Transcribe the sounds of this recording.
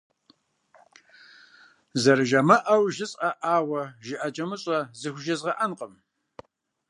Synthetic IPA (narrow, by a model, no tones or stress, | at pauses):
zɐɾɨʒɐmɐʔɐwʒɪɕʼɐʔaːwɐʒɪʔɐt͡ʃʼɐmɨɕʼɐzɨxʷʒɐzʁɐʔɐnqʼəm